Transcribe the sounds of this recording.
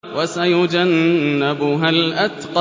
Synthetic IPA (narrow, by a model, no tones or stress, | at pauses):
wasajʊd͡ʒanːabʊɦalʔat̪qɑ